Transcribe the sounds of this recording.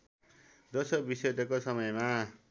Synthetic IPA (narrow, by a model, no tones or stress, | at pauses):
d͡zʌsʌbised̪ʌkosʌmʌjma